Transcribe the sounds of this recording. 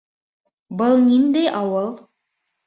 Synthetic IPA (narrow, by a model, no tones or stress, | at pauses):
bɤlˠnind̪æjʔɑwɤlˠ